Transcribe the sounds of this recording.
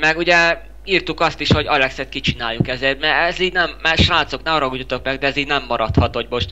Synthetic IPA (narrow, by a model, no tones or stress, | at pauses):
mɛɡuɟɛ | iːrt̪ukɒst̪iʃho̞ɟɒlɛksɛt̪̚kit͡ʃinaːjːukɛzeːrmɛɛziːɟnɛmːɛʃraːt̪soknɛmɾɒɡudut̪o̞kmɛɡd̪ɛɛziːɟnɛmːɒɾɒt̪hɒt̪hoɟmo̞ʃt̪